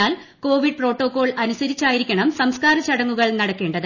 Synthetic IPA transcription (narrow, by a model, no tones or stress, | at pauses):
aːl | ko̞ːʋiɖ̚pro̞ːʈːo̞ːkːo̞ːɭɐnusɐɾit͡ɕːaːjiɾikʲːɐɳɐmsɐmskaːɾɐt͡ɕɐɽɐŋːuɣɐɭnɐɽɐkːe̞ːɳɖɐðɨ